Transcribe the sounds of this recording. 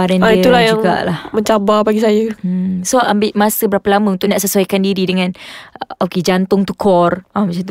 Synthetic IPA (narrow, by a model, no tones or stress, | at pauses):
adanaiulajd͡ʒauŋɡa̰ʔlahməɲt͡ʃababaɡisajəsoambɪʔmasəbəɾapəlaməunt̪ʊʔnaʔsəsuaikandiɾidəŋãnoked͡ʒant̪ʊŋt̪ukʰɔramat͡ʃan